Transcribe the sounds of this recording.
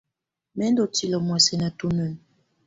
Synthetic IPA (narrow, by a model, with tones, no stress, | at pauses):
mɛ˦n˦dɔ˨ti˨lɔ˨mwɛ˨sɛ˨na˨tu˦nə˨n